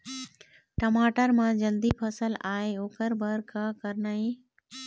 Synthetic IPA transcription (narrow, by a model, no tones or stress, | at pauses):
ʈəmaːʈəɾmãd͡ʒəld̪ipʰəsəlaːeoːkəɾbʱəɾkakəɾnaːi